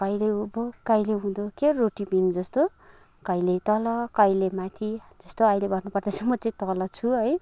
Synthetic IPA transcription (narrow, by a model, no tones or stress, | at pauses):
kʌjleubokʌjleɦũd̪okeroʈipind͡zʌst̪o | kʌjlet̪ʌlʌkʌjlemat̪ʰid͡zʌst̪oʌjlebʱʌrnupʌrd̪asʰʌmʌt͡saĩt̪ʌlʌt͡sʰuɦʌj